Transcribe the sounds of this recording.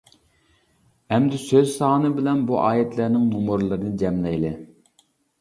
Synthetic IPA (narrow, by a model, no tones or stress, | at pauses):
ɛmd̪ɪsøzsɑːnɨbɪlɛnbuʔɑːjɛt̪ʰlæɾnɪŋnomʊɾlˠɨɾɨnɨd͡ʒɛmlɛjlɪ